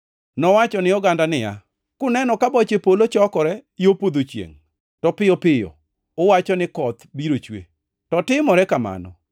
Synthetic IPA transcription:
nɔwat͡ʃɔnɪɔɡandanɪja̰ | kʊnɛnɔkabɔt͡ʃepolot͡ʃɔkɔɾɛjopod̪ot͡ʃjḛŋ | tɔpɪjɔpɪjɔ̰ | ʊwat͡ʃɔnɪkɔt̪biɾot͡ʃwḛ | tɔtɪmɔɾɛkama̰nɔ̰

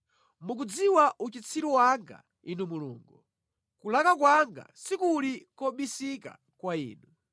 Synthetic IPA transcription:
muk̬ud͡ziwaʔut͡ʃit͡sʰiɾɔwaŋɡa̰ | inumulṵːŋɡu | kulakakwaŋɡa̰sikulikɔɓisika̰ | kwaḭːnu

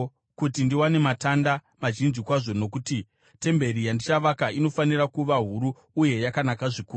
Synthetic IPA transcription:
kutindiwane̞matanda | maʒinzikwaʐo̞no̞kuti | te̞mbe̞ɾijandit͡ʃaʋakaʔino̞fanirakuʋaɦuɾuː | je̞jakanakaʐikuːru

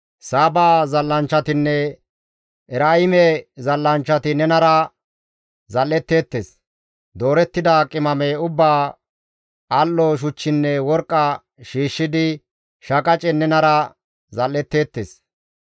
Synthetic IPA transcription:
saːbaːzɐlːɐnt͡ʃːɐt̪ɪnːɛ | ʔɛɾaːɪmɛzɐlːɐnt͡ʃːɐt̪ɪnɛnɐɾɐ | zɐlːɛt̪ːe̞ːt̪ːes | d̪o̞ːɾɛt̪ːɪd̪akʼɪmɐmeʊbːaː | ɐlːɔʃ̬ʊt͡ʃːɪnːɛwɔɾkʼːɐ | ʃiːʃːɪd̪ɪ | ʃɐkʼɐt͡ʃʼɛnɛnɐɾɐ | zɐlːɛt̪ːe̞ːt̪ːes

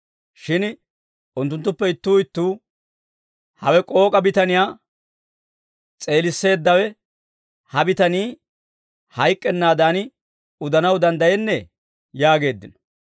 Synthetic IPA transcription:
ʃɪn | ʔʊnt̪ːʊnt̪ːʊpːɛɪt̪ːuːɪt̪ːuː | hɐwɛkʼo̞ːkʼɐbɪt̪ɐnɪjaː | t͡sʼe̞ːlɪsːe̞ːd̪ːɐwɛ | hɐbɪt̪ɐniː | hɐjkʼːɛnːaːd̪aːnɪ | ʊd̪ɐnɐwd̪ɐnd̪ɐjɛnːɛ | jaːɡe̞ːd̪ːɪnɔ̥

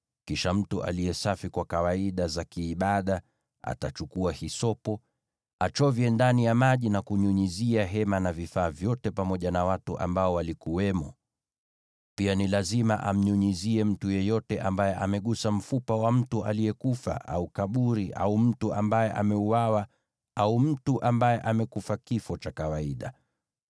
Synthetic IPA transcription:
kiʃam̩tuʔa̰lijɛsafikwakawaiɗazakiːɓaɗa | a̰tat͡ʃukuahisɔpɔ | at͡ʃɔvjɛndanijamaʄinakuɲuɲiziaɦɛmanavifaːvjɔtɛpamɔʄanawatuʔa̰mbaɔwalikuwɛmɔ | pianilazima̰ʔa̰m̩ɲuɲiziɛm̩tujɛjɔtɛʔambajɛʔamɛɠusam̩fupawam̩tuʔalijɛkufa̰ʔa̰ukaɓuɾiʔa̰um̩tuʔa̰mbajɛʔa̰mɛuwawa | aum̩tuʔambajɛʔamɛkufakifɔt͡ʃakawaiɗa̰

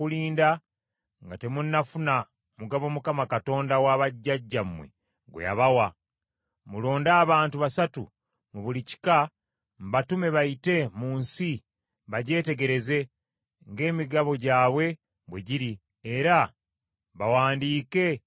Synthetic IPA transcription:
kuliːnda | ŋɡate̞munːafuna | muɡaβo̞mukamakato̞ːndawaːβaɟːaɟːamwḛ | ɡwḛja̰βawa | mulo̞ːndaːβaːntuβasatu | muβulici̥ka | mβatume̞βajite̞muːnsi | βaɟe̞ːte̞ɡe̞ɾe̞ze̞ | ŋɡe̞ːmiɡaβo̞ɟaːβwe̞ | βwe̞ɟiɾi | e̞ɾa | βawaːndiːke̞

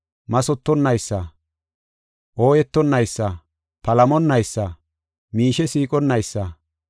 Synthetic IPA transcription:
mɐsɔt̪ːɔnːɐjsːɐ | ʔoːjɛt̪ːɔnːɐjsːɐ | pɐlɐmɔnːɐjsːɐ | miːʃɛsiːkʼɔnːɐjsːɐ

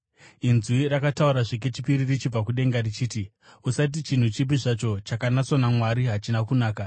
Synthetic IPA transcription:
inzwirakatauɾaʐik̬e̞t͡ʃipiɾirit͡ʃib͡vakuɗe̞ŋɡarit͡ʃiːti | usat̬it͡ʃin̤ut͡ʃip̬iʐat͡ʃo̞t͡ʃakanaso̞namwaɾiɦat͡ʃinakunaːka

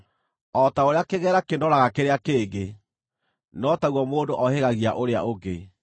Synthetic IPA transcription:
ɔtaoɾeakeɣɛːɾakendɔɾaɣakeɾeakeːɡe | nɔtaɣwɔmoːndoʔɔheɣaɣiaʔoɾea̰ʔoɡe

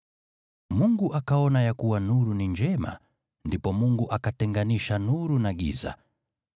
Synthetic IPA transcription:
muŋɡuʔakaɔnajakuwanuɾuniɲd͡ʒɛma̰ | ndipɔmuŋɡuʔakatɛŋɡaniʃanuɾunaɠḭza̰

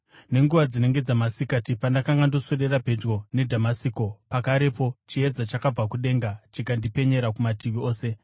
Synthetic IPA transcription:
ne̞ŋɡuʋad͡zine̞ŋɡe̞d͡zamasikatipandakaŋɡandosoɗe̞ɾabʱe̞d͡ʒɡo̞ne̞dʱamasiko̞pakaɾe̞po̞t͡ʃied͡zat͡ʃakab͡vakuɗe̞ŋɡat͡ʃikandipe̞ɲe̞ɾakumatiʋio̞ːse̞

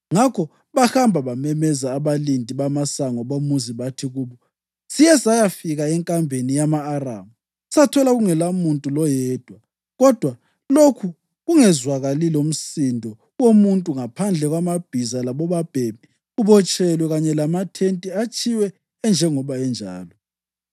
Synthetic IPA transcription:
ŋakʰɔ | βahambʱaβamɛmɛzaːβalindʱʼiβamasaŋɔβomuziβatʰiɣuːβɔ | sijɛsajafiɣaɛŋkʼambʱenijamaːra̰ːmu | satʰɔlaɣuŋɛlamuntʼulɔjɛːd̥ʱwa | ɣɔd̥ʱwa | lokʰu | ɣuŋɛzwaɣalilom̩sindʱɔ | womuntʼuŋapʰand͡ɮʱɛɣwamab̥ʱizalaβɔβab̥ʱemi | uβɔt͡ʃʼɛlwɛɣaɲɛlamatʰentʼiat͡ʃʰʼiwɛː | nd͡ʒʱɛŋɔβaɛnd͡ʒʱa̰ːlɔ

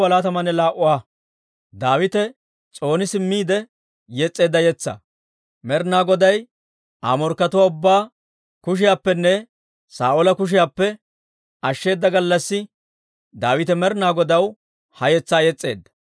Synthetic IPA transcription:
ɐlaːt̪ɐmɐnɛlaːʔʊwaː | d̪aːwɪt̪ɛ | t͡sʼo̞ːnɪsɪmːiːd̪ɛ | jɛt͡sʼːe̞ːd̪ːɐjɛt͡sːɐ̰ | mɛɾnaːɡɔd̪ɐj | ʔa̰ːmɔɾkːɐt̪ʊwaːʊbːaː | kʊʃ̬ɪjaːpːɛnːɛ | saːʔɔlɐkʊʃ̬ɪjaːpːɛ | ɐʃːe̞ːd̪ːɐɡɐlːɐsːɪ | d̪aːwɪt̪ɛmɛɾnaːɡɔd̪ɐw | hɐjɛt͡sːaːjɛt͡sʼːe̞̰ːd̪ːɐ̥

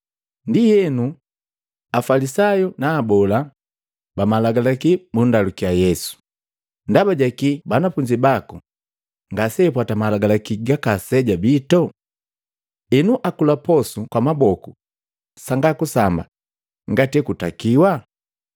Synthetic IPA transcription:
ndihɛnu | afalisajɔnaːbɔla | bamalaɡalakimundalukiajɛsu̥ | ndabaɟakibanafuɲd͡ʒibaku | ŋɡasɛp̬watamalaɡalakiɡakasɛɟabitɔ | ɛnuʔakulapɔsukwamabɔku | saŋɡakusamba̰ | ŋɡatɛkutakiwa

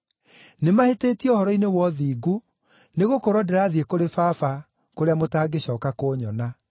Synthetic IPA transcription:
nemaheteːtiɔhɔɾɔinewɔðiːɡu | neɣokoɾɔdɛɾaːðiekoɾefafa | koɾeamotaːɡeɕɔːkakoɲɔna

